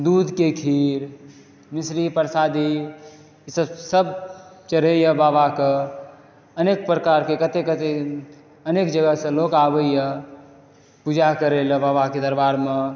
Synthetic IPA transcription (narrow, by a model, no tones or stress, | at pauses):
d̪ud̪ʱkekʰiɾ | misɾipəɾsad̪i | səsəbt͡ʃəɾejəbabake | ənek̚pɾəkaɾkekət̪ekət̪e | ənekd͡ʒəɡəsə̃lokabəijə | pud͡ʒakəɾeləbaːbaked̪əɾbaɾme